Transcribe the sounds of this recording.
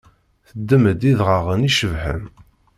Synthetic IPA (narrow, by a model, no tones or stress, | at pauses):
θəd̪ːəməd̪iðʁəʁəniʃəvħə̰m